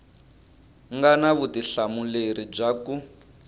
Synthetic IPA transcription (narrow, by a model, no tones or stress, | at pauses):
ŋɡanaβutiɬamuleɾib͡ʐaku